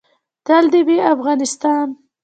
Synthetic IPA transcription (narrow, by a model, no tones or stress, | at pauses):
t̪ald̪ebeafɣɑnɪst̪ɑn